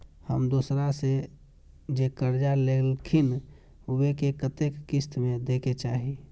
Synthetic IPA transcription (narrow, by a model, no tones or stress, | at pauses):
hə̰md̪uːsɾase | d͡ʒekəɾd͡ʒalelkʰin | uwekekət̪ekːɪst̪mẽd̪eːket͡ʃaːɦi